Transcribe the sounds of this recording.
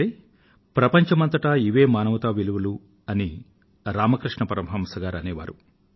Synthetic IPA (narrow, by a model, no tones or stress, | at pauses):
e | pɾɐpɐɲt͡ʃɐmɐnt̪ɐʈaiʋeːmaːnɐʋɐt̪aːʋiluʋɐlu | ɐni | ɾaːmɐkɾiʂɳɐpɐɾɐmɦɐmsɐɡaːɾɐneːʋa̰ːɾu